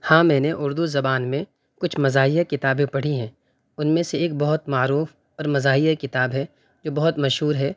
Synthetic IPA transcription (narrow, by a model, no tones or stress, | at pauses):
hãːmɛ̃ːneʔʊɾd̪uzɐbaːnmẽ | kʊt͡ʃʰmɐzaːɦijakɪt̪aːbẽpɐɽ̤iɦɛ̃ː | ʊnmẽseeːk̚bɐɦʊt̪maːɾuːf | ɔːɾmɐzaːɦijakɪt̪aːbɦɛ | d͡ʒoːbɐɦʊt̪mɐʃɦuːɾɦɛː